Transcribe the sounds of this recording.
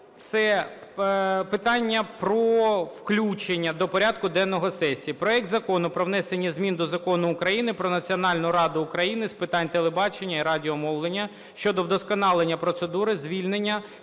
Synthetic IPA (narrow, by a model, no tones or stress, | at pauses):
t̪sɛ | pɪt̪ɑnʲːɐpɾɔwklʲut͡ʃenʲːɐd̪ɔpɔɾʲad̪̚kʊd̪ɛnːɔɦɔsɛsʲiipɾɔɛk̚t̪zɐkɔnʊpɾɔʋnɛsenʲːɐzʲmʲind̪ɔzɐkɔnʊːkɾɐjinɪpɾɔnɐt͡sʲiɔnɑlʲnʊɾɑd̪ʊːkɾɐjinɪspɪt̪ɑnʲt̪elˠebɑt͡ʃenʲːɐiɾɑdʲiɔmɔwlˠenʲːɐ | ʃt͡ʃɔd̪ɔwd̪ɔskɔnɑlˠenʲːɐpɾɔt̪sed̪uɾɪzʲʋʲilʲnenʲːɐ